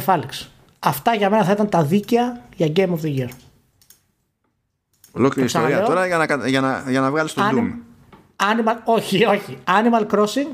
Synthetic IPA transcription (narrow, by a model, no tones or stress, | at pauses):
fɐliks | ɐft̪ɐʝɐme̞nɐθɐit̪ɐnt̪ɐðiceɐjɐɟejmofðiʝiɾ | o̰lokliɾisoɾiɐt̪oɾɐʝɐnɐkɐʝɐnɐʝɐnɐvɣɐlist̪oɐnum | ɐnimɐlo̞çio̞çiɐnimɐlkɾosiŋɡ